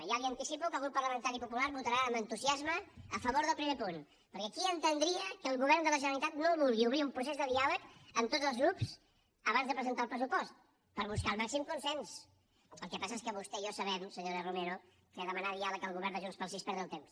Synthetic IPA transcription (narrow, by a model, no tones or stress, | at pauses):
jaliənt̪isipukəlˠɣɾupːəɾləmənt̪aɾipupulaɾβut̪əɾaəmbənt̪uziazməːfəβoɾðəlˠpɾimepun | pəɾkɛkiənt̪ənd̪ɾiəkəːlˠɣuβ̞ɛrnd̪ələʒənəlit̪at̪noβulˠɣiuβɾiumpɾusezðəðialəkəmt̪od̪zəlˠzɣɾups | əβanzðəpɾəzənt̪aəlˠpɾəsupɔst̪ | pəɾβuskalˠmaksimkunsɛns | əlˠkɛpas̬əes̬kəβust̪ɛiasəβɛmsəɲoɾərumeɾu | keðəmənaðialək̪̚əlˠɣuβɛɾnd̪əʒunspəlˠs̬ispɛɾðəlˠt̪ems